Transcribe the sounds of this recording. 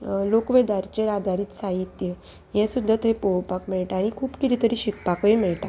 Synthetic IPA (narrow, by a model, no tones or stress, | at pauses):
lokʋed̪aɾt͡ɕeɾad̪ʱaɾiːt̪saɦit̪je | jɛ̃sud̪ʱːət̪ɦepowpakmɛɭʈaaɽ̃ikʰuːpkiɾit̪əɾiɕikpakemɛɭʈa